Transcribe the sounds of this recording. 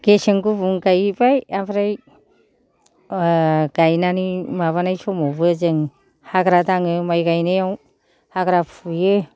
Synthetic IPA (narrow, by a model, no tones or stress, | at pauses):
ɡ̥esɯŋɡubuŋɡajbajabɾaj | ɡ̥ajnanimaβanajsomɔbɯzɯŋ | haɡɾadaŋɯmajɡajnɯjaw | haɡɾapʰujɯ